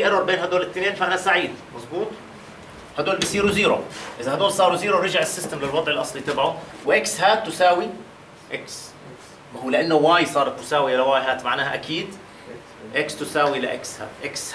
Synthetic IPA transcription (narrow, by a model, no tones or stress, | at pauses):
ʔɑrɑɾˤbeːnɦad̪oːlɪt̪ːneːnfahnasaʕiːd̪mɑzˤbuːt̪ˤ | had̪oːlbijsˤiːɾuziːɾʊʔɪzahad̪oːlsˤɑːɾˤuziːɾuɾɑʒaʕɪsːɪst̪amlɪlwɑd̪ˤʕɪlʔɑsˤlit̪abʕʊ | wɪʔɪkshaːt̪ːʊsaːwi | ʔaks | mahuːlɪʔanːʊwaːjsˤɑːɾˤɑt̪mʊsaːwialawaːjɦaːt̪maʕnaːhaʔakiːd̪ | ʔɪkst̪ʊsaːwilaʔɪ̰ksha̰ːʔɪks